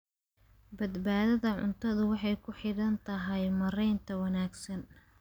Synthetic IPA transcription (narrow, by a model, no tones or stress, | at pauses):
bɐd̪baːðɐðɐʕʊ̰nt̪ʰɐðʊwɑħɑjkʰʊħɪɽɐnt̪ʰɐɦɛjmɐɾɛjnt̪ʰɐwɑnaːɡsɐn